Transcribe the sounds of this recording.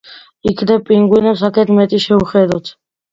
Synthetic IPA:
ikʰnɛpʼiŋɡwinɛms̬akʰɛt̪mɛt̪ʼiʃɛuχɛd̪ɔt͡sʰ

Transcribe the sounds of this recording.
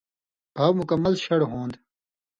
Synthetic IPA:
ɐwmukɐmːɐlɕɐɽɦõːnd̪

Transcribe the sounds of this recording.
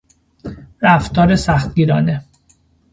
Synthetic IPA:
ɾæft̪ʰɒːɾe̞sæxt̪̚ɡiːɾɒːne

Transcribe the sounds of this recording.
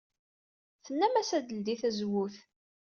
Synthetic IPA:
θənːæmæsæd̪əld̪iθæzwuθ

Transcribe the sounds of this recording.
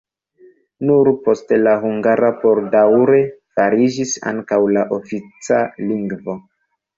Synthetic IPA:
nuɾpo̞stelaɦuŋɡaɾapo̞ɾdawɾe̞faɾid͡ʒisa̰ŋkawlaʔofit͡saliŋɡvo̞

